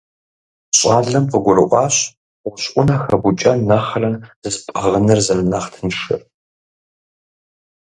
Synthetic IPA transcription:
ɕʼɑːɮɐmfɨɡʷʊrɨʔʷɑːɕʷ | ʊɕʔʷʊnaxɐbut͡ʃʼɐnɐχɐrɐnzɨspʼɐʁənɨrzɐlɨnɐχtʰɨnʂɨ̰r

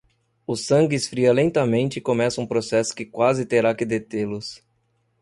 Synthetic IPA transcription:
ʊsɐ̃ŋɡɪsfɾiɐlẽnt̪ɐmẽnt͡ʃɪkomɛsɐũpɾosɛsʊ̥kɪkwazɪt̪eɾakɪd̪et̪elʊs

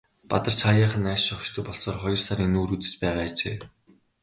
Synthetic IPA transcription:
pat̪ə̆r̥t͡ɕʰχajaːχə̆næːʃʃɔkʃt̪ʰɵ̆k̚pɔɮsɔːrχɔjɞ̆rsaɾiŋnuːɾut͡sɘ̥̆t͡ɕpæːʁaːt͡ɕeː

